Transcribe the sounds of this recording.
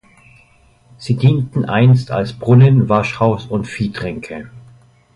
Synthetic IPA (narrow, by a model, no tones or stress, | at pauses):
z̥iːdiːntn̩ʔa̰ɪnsta̰lsb̥ʁʊnənvaʃhaʊsʊntfiːdʁ̥ɛŋkʰə